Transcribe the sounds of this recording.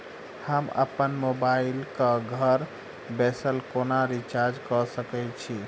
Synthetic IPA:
həmə̰pənmobailkəɡʱəɾ | bɛsəlkonaɾit͡ʃaɾd͡ʒkɔsəkɛt͡ʃʰi

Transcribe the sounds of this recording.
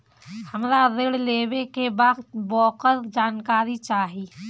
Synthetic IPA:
həmɾaɾeɽleːbekebaːd̪bɔːqəɾd͡ʒaːnkaːɾit͡ʃaːɦiː

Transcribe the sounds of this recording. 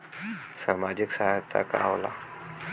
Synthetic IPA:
samad͡ʒiksaɦajt̪a̰ka̰awla

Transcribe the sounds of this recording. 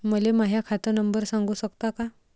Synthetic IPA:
məlemaɦjakʰat̪ənəmbəɾsaŋɡuːsəkt̪aka

